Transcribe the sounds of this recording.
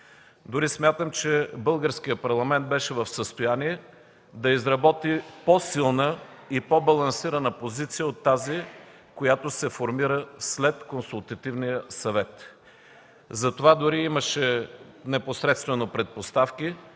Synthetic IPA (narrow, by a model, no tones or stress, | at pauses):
d̪ʊɾismʲjat̪əmt͡ʃɛbɤlˠɡəɾskijəpɐɾlˠɐmɛnt̪̚bɛʃɛvɐfsəst̪ojaniɛ | d̪ɐizɾɐbɔt̪iposilˠnə | ipɔbɐlˠɐnsiɾənəpozit̪sijəot̪ːazi | kojat̪osɛfoɾmiɾəslɛt̪konsulˠt̪ɐt̪ivnijəsɐvɛt̪ | zɐt̪ovad̪ʊɾiiməʃɛnɛposɾɛt̪st̪vɛnopɾɛt̪̚post̪afki